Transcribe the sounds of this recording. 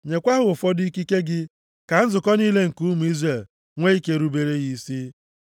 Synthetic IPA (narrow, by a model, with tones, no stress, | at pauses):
ɲe˨kʷa˦ɦʊ˨ʊ˨fɔ˦di˦ki˦ke˦ɡɪ˦ | ka˨n̩˦zʊ˨kɔ˦niː˦le˦ŋ̩˨ku˦mu˨˦i˦zre˨l | ŋʷe˦i˦ke˦ɾu˦be˨ɾe˦ɣi˨˦si˦